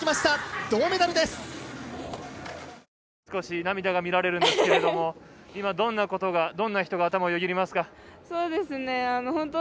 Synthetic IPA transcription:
imaɕi̥t̪ad̪̥o̞ːme̞d̪aɾɯd̪esɨ̥ | sɨ̥ko̞ɕinamʲid̪aɡamʲiɾaɾe̞ɾɯ̟nd̪esɨ̥keed̪o̞mo̞ | imad̪õ̞nːako̞t̪o̞ɡad̪õ̞nːaçi̥t̪o̞ɡaːt̪amaojoɡʲiɾʲimasɨ̥kaso̞ːd̪e̞sɨne̞anohõ̞nt̪o

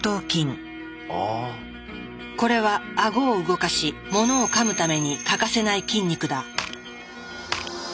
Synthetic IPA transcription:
t̪oːkʲĩŋ | ko̞ɾe̞βaːɡo̞ːɯ̟ɡo̞kaɕimo̞no̞ːkamɯ̟t̪ame̞ɲ̟ikakase̞naikʲĩɲ̟ʲːikɯ̟d̪a

